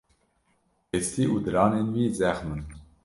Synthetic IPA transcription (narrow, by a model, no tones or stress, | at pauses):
est̪iʔud̪əɾɑːnenwiːzæxmən